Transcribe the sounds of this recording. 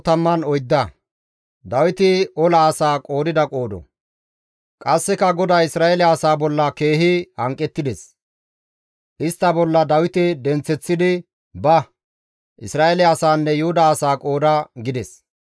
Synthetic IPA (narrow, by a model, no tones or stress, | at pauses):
t̪ɐmːɐnɔjd̪ːɐ | d̪ɐwɪt̪ɪɔlɐːsaːkʼo̞ːd̪ɪd̪ɐkʼo̞ːd̪ɔ̰ | kʼɐsːɛkɐɡɔd̪aːɪsɾaːɛlɪɐsaːbɔlːɐke̞ːɦɪhɐŋkʼːɛt̪ːɪd̪ɛs | ʔɪst̪ːɐbɔlːɐd̪ɐwɪt̪ɪd̪ɛnt͡sːɛt͡sːɪd̪ɪ | bɐ | ʔɪsɾaːelɛɐsaːnːɛjʊhʊd̪ɐːsaːkʼo̞ːd̪ɐɡɪd̪ɛs